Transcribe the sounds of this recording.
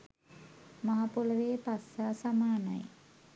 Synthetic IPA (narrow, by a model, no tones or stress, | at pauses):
maɦapuləʋeːpasːasamaːna̰j